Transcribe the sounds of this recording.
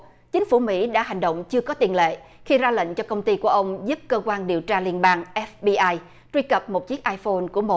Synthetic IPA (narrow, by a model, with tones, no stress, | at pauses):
t͡ɕï˨˦ŋ̟fu˧˩mḭ˧˥ɗa̰ː˧˥ɦa˨˩jŋ̟ɗo̰˧˨wŋ͡mt͡ɕɨ˧əkɔ˨˦t̪i˨˩ənlḛ˧˨xi˧zaː˧lə̰˧˨ŋ̟t͡ɕɔ˧kə˧wŋ͡mt̪i˧ku˧˩əʔə˧wŋ͡mzu˦˥p̚kəː˧kwaː˧nɗi˨˩əwt͡ɕaː˧li˧ənɓaː˧ŋʔɛ˦˥fɓi˧ʔaː˧j | t̪wi˧kə˨˩p̚mo˨˩t̚t͡ɕi˦˥ək̚ʔaː˧jfo˧nku˧˩əmo˨˩